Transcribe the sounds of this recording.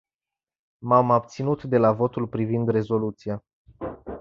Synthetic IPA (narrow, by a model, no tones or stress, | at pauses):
mamab̚t̪sinut̪d̪e̞lavo̞t̪ulpɾivind̪re̞zo̞lut̪sia